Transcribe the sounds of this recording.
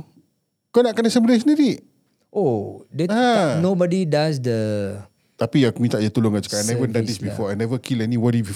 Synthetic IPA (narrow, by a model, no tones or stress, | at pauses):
konaʔkanasɛbiles̬niɾiʔ | odɛanobɔdidas̬də | t̪apiakmĩt̪aʔd͡ʒat̪ulʊŋat͡ʃu̥kaajnɛvəndãdisbifɔajnɛvəkʰilɛnĩwɔdibi